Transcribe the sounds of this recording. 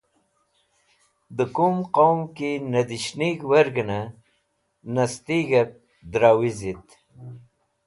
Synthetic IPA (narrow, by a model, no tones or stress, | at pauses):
d̪əkumqowmkinɐd̪iɕniɡwɐɾɡəna | nɐst̪iɡɐp̚ | d̪ɾaːwizit̪